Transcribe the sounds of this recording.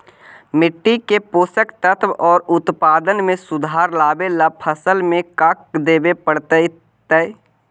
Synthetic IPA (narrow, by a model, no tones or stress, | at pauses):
mɪʈːikepoːsəkt̪ət̪ʰʋɔːɾʊt̪paːd̪ənmẽsʊd̪ʱaːɾlaːbelapʰəsəlmẽkak̚d̪eːbepəɽt̪ə | t̪ɛ